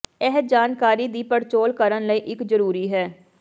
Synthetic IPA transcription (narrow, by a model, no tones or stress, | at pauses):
ɛɦəd͡ʒaːnkaːɾiːd̪iːpəɽt͡ʃoːlkəɾənləiːʔɪkzəɾuːɾiːɦɛː